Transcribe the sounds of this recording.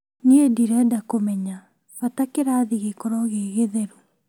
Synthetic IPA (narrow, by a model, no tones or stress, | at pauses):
niediɾɛdakomɛɲa | ɣatakeɾaːðiɣekɔɾɔɣeɣeðɛɾu